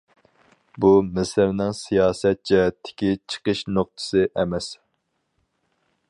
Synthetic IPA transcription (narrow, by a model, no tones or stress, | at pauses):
bumɪsɪɾnɪŋsijɑːsɛt̪̚t͡ʃɛɛt̪ʰːɪ̥kʲit͡ʃʰə̥qəʃnoq̚t̪ʰɨ̥sɨʔɛmɛs